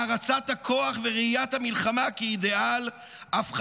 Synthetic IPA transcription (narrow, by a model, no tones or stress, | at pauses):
aʁat͡sat̪hakʰo̞aχveʁeijat̪hamilχamakeid̪e̞al | afχ